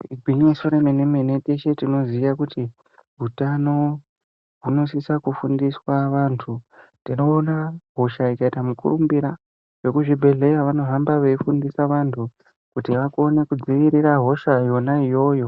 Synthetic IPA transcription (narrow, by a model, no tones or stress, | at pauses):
iɡʱwiɲisoɾemenemene̞teʃe̞tino̞ziʋakuti | ɦutano̞ | ɦuno̞sisakufundiswaʋantʰutino̞ːnaɦo̞ʃaikaitamukṵrumbiɾa | ʐe̞kuʐibʱe̞ɮe̞jaʋano̞ɦambaʋeifundisaʋantʰu | kutiʋakone̞kud͡ziʋiɾiɾaɦo̞ʃajo̞naijo̞ːjo̞